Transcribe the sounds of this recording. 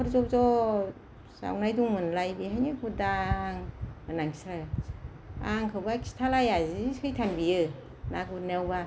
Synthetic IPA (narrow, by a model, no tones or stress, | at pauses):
pʰɯɾzɔp̚zɔ | sa̰wnajduŋmɯnlajbiɦajnekʰudaŋmɯnaŋkʰi̥stʰa | aŋkʰɯwbakʰi̥stʰalajaziɯjtʰanbijɯ | naɡunewba